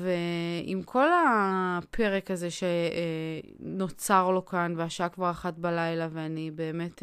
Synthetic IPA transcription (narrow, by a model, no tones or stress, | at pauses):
veḭmkʰo̞lapʰe̞ʁekaze̞ʃe | no̞t͡saʁlo̞kanveaʃaakvaʁaχatbalajlaveanibe̞ːme̞t